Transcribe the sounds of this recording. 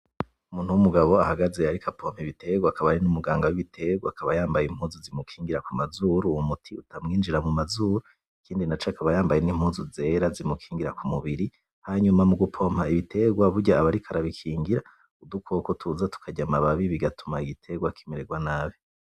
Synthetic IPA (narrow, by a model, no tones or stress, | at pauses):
umuːn̥huwumuɡaβo̞ahaɡazeaɾikʰapʰo̞ːm̥hiβitʰe̞ɡwakaβaɾinumuɡaːŋɡawiβitʰe̞ɡwakaβajaːmbajimhuːzuzimukʰiːŋɡiɾakumazuɾuwumutʰiutamŋiːnd͡ʒiɾamumazuɾu | ikiːndinat͡ʃoakaβajaːmbajenim̥huːzuze̞ɾazimukʰiːŋɡiɾakumuβiɾi | haɲumamuɡupʰo̞ːm̥haiβite̞ɡwaβuɾɟaːβaɾikʰaɾaβikʰiːŋɡiɾa | udukʰo̞ːkotʰuzatu̥kʰaɟamaβaβiβiɡatumaiɡitʰe̞ɡwaki̥miɾeɡwanaβi